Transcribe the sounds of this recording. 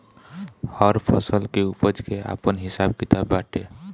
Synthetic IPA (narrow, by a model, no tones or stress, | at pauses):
həɾpʰəsəlkeupəd͡ʒkea̰pənɦisab̚kit̪abːaʈe